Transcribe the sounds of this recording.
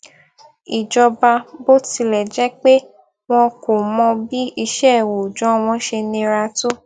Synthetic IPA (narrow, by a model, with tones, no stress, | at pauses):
i˨d͡ʒɔ˧ba˧bo˦ti˧lɛ˨d͡ʒɛ˨˦k͡pe˦ | w̃ɔ̃˧ko˨mɔ̃˧bi˦i˧ʃɛ˦˨wo˨d͡ʒɔ̃˨˦w̃ɔ̃˧ʃe˧nĩ˧ɾa˧to˦